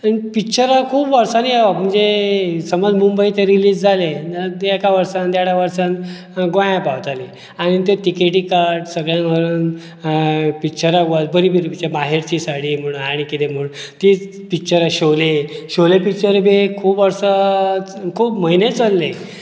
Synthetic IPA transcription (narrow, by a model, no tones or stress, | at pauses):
anipikt͡ɕəɾakʰuːpʋəɾsanaʋam̤ənd͡zesəmod͡zmumbəit̪eɾiliːd͡zd͡zʱaleɛkaʋəɾsãnd̪jaɽaʋəɾsãn | ɡʋãjãpawt̪ale | aɽ̃it̪eʈ̪ikeʈiːkaɾʈsəɡɭjãnʋəɾuːn | pikt͡ɕəɾaɡat̪bəɾibʱəɾipit͡ɕəbaɦeɾt͡ɕisaɽim̤əɽ̃unaɽ̃ikit̪em̤əɭnt̪iː | pikt͡ɕəɾaɕoleɕolepikt͡ɕəɾebekʰuːbʋəɾsa | kʰuːpməɦinet͡səlːe